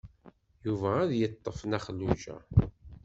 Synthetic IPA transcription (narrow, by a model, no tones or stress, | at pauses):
juvæːðjət̪ˤːəfnæχlːuʒæ̰